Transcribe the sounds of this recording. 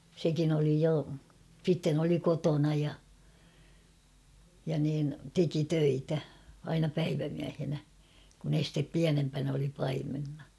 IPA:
sekin oli jo sitːen oli kotonɑ jɑ jɑ niːn teki tøitæ ɑinɑ pæiʋæmiæhenæ kun estep piænempæn oli pɑimenːɑ

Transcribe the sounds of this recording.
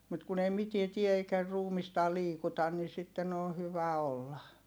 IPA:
mut kun ei mitie tie eikæ ruːmistɑː liːkutɑn nin sitːen on̞ hyʋæ olːɑ

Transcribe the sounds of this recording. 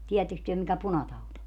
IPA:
tiːætːeks tyø mikæ punɑtɑut o

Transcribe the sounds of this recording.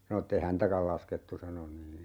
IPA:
sɑno etːe hæntækæl lɑsketːu sɑno niː

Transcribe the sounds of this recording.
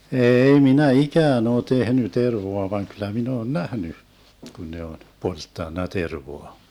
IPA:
eːi minæ ikæːn oː tehny terʋoɑ ʋɑŋ kylˑæ min oːn næhny kun ne on poltːɑnːɑ terʋoɑ

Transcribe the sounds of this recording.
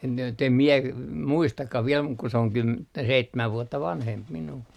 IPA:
en jot em mie muistɑkːɑh ʋiel muk ku se oŋ kym seitːæmæʋ ʋuotːɑ ʋɑnhemp minuː

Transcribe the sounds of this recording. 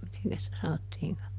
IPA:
miteŋkæs sitæ sɑnotːiːŋkɑ

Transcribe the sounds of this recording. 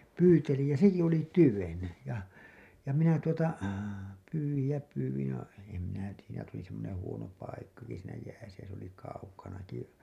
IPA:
pyːtelij jɑ seki oli tyʋen jɑ jɑ minæ tuotɑ pyːwij jɑ pyːwij jɑ em minæ tiːjæ næ tuli semːonẽː huono pɑikkɑki siːnæ jæːsæ jæ se oli kɑukɑnɑki

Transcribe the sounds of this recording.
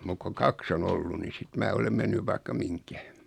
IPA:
muk koŋ kɑks on olːu ni sit mæː olem menːyʋ ʋɑikːɑ miŋkæ

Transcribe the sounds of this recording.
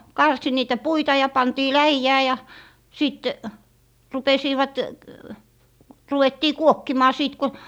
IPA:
kɑrsi niːtæ puitɑ jɑ pɑntiː læijæː jɑ jɑ siˑt rupesiːʋɑt ruwetːiː kuokːimɑː siːt ko

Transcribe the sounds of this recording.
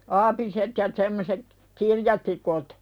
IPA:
ɑːpiset jɑ semːoset kirjɑtikut

